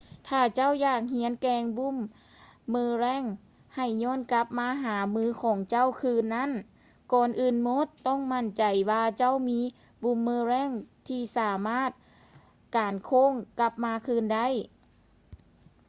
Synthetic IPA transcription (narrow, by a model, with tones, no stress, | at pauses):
t̪ʰaː˧˩t͡ɕa˥˨wjaː˧˩k̚hi˧˦ənkɛː˧ŋbu˧˥˨mː | ɯː˧ɾɛː˧˥˨ŋ | ha˨˩jɲɔː˧˥˨nka˧˦˥p̚maː˧˥ɦaː˩˦mɯː˧˥kʰɔː˨˩˦ŋt͡ɕa˥˨wkʰɯː˧˥nːa˥˨n | kɔː˨˩nʔɯː˨˩nmo˦˥t̪ːɔ˧˥˨ŋma˧˥˩nt͡ɕa˨˩jwaː˧t͡ɕa˥˨wmiː˧˥ | bu˧˩˨mːɯː˧˥ɾɛː˧˥˨ŋt̪ʰiː˧˩saː˨˩˦maː˥˩t̪̚ | kaː˨˩nkʰoː˧˥˨ŋka˧˥p̚maː˧˥kʰɯː˧˨nda˥˩˨j